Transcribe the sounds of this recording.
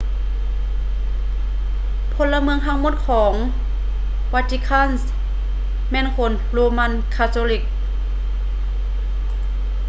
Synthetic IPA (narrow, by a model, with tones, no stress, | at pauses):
pʰo˧˥˨lːa˧mɯ˧əŋt̪ʰa˧ŋmo˧˥t̪̚kʰɔː˩˦ŋ | wa˧t̪ʰi˧kʰa˧˥˨ns | mɛː˧˥˨nkʰo˧˦n | loː˧ma˧˨nkʰaː˧t̪ʰoː˧li˧˩k̚